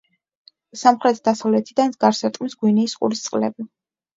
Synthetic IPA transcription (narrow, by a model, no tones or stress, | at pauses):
samχɾɛt̪ʰd̪asavlɛt̪ʰid̪anzɡaɾsɛt̪ʼqʼmisɡ̥winiːsqʼṵɾist̪sʼqʼlɛ̰bi